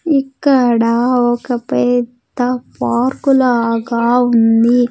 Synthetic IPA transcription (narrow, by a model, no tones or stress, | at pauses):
ikːɐɽɐɔkɐpɛd̪ːɐpaːɾkulaɡaːund̪i